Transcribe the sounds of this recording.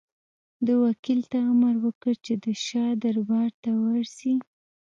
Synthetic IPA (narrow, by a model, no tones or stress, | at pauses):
d̪əwakilt̪aamaɾwəkəɾt͡ʃed̪əʃɑd̪aɾbɑɾt̪awaɾsi